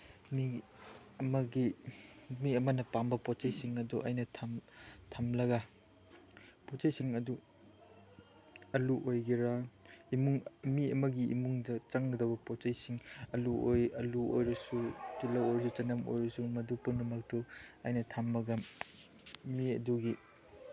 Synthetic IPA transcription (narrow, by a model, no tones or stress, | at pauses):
mi | ɐmɐɡi | miɐmɐnɐpambɐpot͡ʃɐjsiŋɐduʔɐ̰jnɐtʰamtʰamlɐɡa | pot͡ʃɐjsiŋɐdu | ɐluʔojɡiɾaimuŋmiɐmɐɡiḭmuŋdɐt͡ʃɐŋɡɐdɐbɐpot͡ʃɐjsiŋɐluojɐluo̰jɾɐsutilɐwojɾɐsut͡ʃɐnɐmo̰jɾɐsumɐdupunːumɐk̚tuɐjnɐtʰamːɐɡɐm | miɐ̰duɡi